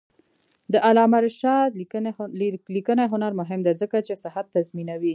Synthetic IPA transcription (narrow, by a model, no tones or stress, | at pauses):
d̪əʔalɑmaɾʃɑt̪ | likənaɦʊnaɾmʊɦɪmd̪ezəkat͡ʃesɪɦat̪ːazminawi